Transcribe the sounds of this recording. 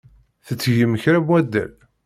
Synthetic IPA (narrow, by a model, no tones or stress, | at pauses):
θət͡sːʝəməçɾæmwæd̪ːæ̰l